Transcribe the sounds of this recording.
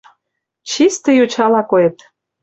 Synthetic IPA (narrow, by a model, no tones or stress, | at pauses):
t͡ɕist̪ə̆jot͡ɕɑlɑkoet̪